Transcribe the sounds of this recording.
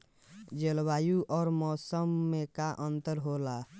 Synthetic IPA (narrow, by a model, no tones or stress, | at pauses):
d͡ʒelbaːjuʔɔːɾmɔːsəmːekaʔə̃nt̪əɾɦola